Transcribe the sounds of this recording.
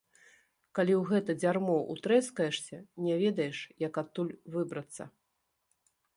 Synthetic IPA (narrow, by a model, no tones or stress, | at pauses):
kalʲiwɣɛt̪ɐd͡zʲarmɔʔṵt̪ɾɛskɐjɛʂsʲɐnʲɛvʲɛd̪ɐjɛʂjɐkat̪ːulʲvɨbɾɐt̪sːɐ̰